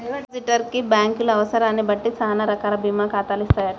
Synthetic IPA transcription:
ɐsiʈːɐɾkibaːŋkulɐɐʋɐsɐɾaːnːibɐʈːit͡ʃaːnɐɾɐkaːɾɐbʱiːmaːkaːt̪aːlist̪aːjaʈ

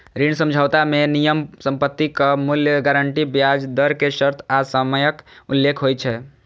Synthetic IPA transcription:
ɾinsə̃md͡ʒʱawt̪amenijəmsə̃mpət̪ːikəmuljəɡaɾəɳʈibjad͡ʒd̪əɾkeʃəɾt̪ʰasəməjəkulːekʰɦojt͡ʃʰɛ

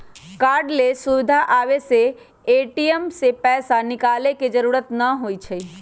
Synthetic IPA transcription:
kaːɾɖlesʊʋɪd̪ʱaʔaʋese | eʈiəmsepɛːsanɪkaːleked͡ʒəɾuːɾət̪nəɦoit͡ʃʰe

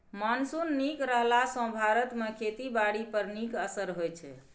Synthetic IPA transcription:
mansunːikɾəɦlasə̃bʱaɾət̪mekʰet̪ibaɽipəɾnikəsəɾɦojt͡ʃʰɛ̰

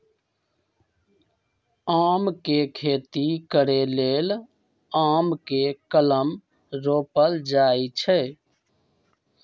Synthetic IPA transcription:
aːmkekʰeːt̪ikəɾeleːl | aːmkekələm | ɾoːpəld͡ʒaːit͡ʃʰɛ

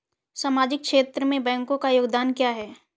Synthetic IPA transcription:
saːmaːd͡ʒɪk̚ʃeːt̪ɾəmẽbɛ̃ːŋkõkajoːɡd̪aːnkjaːɦɛː

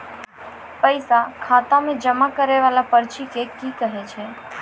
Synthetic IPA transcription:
pəjsakʰat̪amẽd͡ʒəmakəɾeʋalapəɾt͡ʃikekikəɦet͡ʃʰe

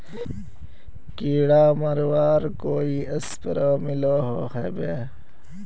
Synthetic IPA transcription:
kiːɽaːmɐɾwaːɾkoːiːɐspəɾoːmiloːɦohebeː

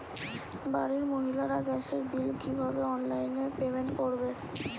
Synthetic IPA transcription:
baɾiɾmoɦilaɾaɡɛʃeɾbilkibʱabeɔnlajnepebenkoɾbe

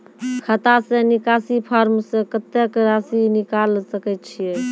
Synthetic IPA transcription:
kʰət̪asẽnikasipʰaɾmsẽkət̪ekɾasinikalsəkɛt̪̚t͡ʃʰijɛ

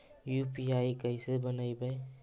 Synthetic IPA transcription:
jupiajkajsebənajbaj

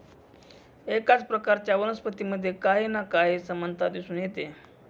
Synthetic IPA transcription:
ekat͡spɾəkaɾt͡ɕjaʋənəspət̪iməd̪ʱːjekaɦinakaɦisəmənt̪ʰad̪isuːnjet̪e

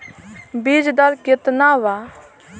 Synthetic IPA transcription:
bid͡ʒd̪ɐlkɪt̪naʋa

